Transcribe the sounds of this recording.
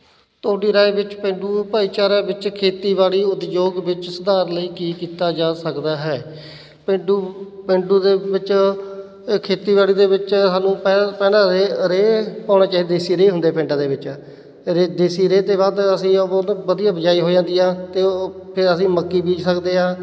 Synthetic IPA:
t̪oːɽiːɾaːebɪt͡ʃpɪ̃ɳɖuːpaːiːt͡ʃaːɾaːbɪt͡ʃkʰeːt̪iːbaːɭiːʊt̪d͡ʒoːɡʋɪt͡ʃsəd̪aːɾləiːkiːkiːt̪aːd͡ʒaːsəkd̪aːɦɛː | pɪɳɖuːpɪɳɖuːd̪eːbɪt͡ʃ | kʰeːt̪iːβaːɽiːd̪eːbɪt͡ʃsaːnũːpɛpɛːãːeɾeːpãːñaːt͡ʃaːid̪d̪eːsiːɾeːɦʊnd̪eːpɪ̃ɳɖãːd̪eːbɪt͡ʃ | ɾeːd̪eːsiːɾeːt̪eːbaːd̪əsĩːbəd̪ijãːbəd͡ʒaːiːɦoːd͡ʒãːnd̪iːãːt̪eːpʰɪɾəsĩːməkːiːbiːd͡ʒsəkd̪eːãː

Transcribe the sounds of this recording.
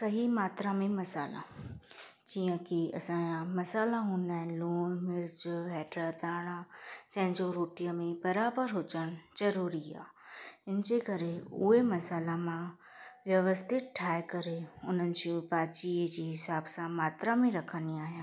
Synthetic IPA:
sɐɦimaːt̪ɾãmẽmɐsaːlã̰ | d͡ʒijə̃kiɐ̰sãjamɐsaːlaɦũːnaːɦloːnmɪɾd͡ʒɦɛːʈɾat̪aːɽ̃ad͡ʒɐ̃ɦɪ̃ɲd͡ʒoɾoːʈijãmẽbɐɾaːbəɾɦoːt͡ʃəñd͡ʒɐɾuːɾia̰ː | ɪnd͡ʒekɐɾeʊɦemɐsaːlamã | ʋjɐʋəst̪ʰɪt̪̚ʈʰaːjkɐɾeʊn̤ənɪ̆d͡ʑobaːt͡ʃid͡ʒeɦɪsaːbsãmaːt̪ɾamẽɾɐkʰəniaːɦjãː

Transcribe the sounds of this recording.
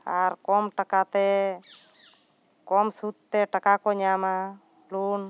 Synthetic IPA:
aɾkɔmʈakat̪ɛ | kɔmsut̪ːɛʈakakɔɲama | lun

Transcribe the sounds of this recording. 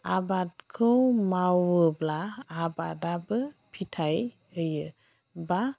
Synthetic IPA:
abat̚kʰəwmawəblaːbadabɯpʰitʰaj | əjɯ | ba

